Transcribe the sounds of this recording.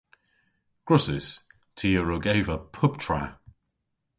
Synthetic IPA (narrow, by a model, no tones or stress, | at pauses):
ɡ̥ɹʊsɪs | tʰiːəɹəɡeɪvəpʰʊp̚tʰɹ̥a̰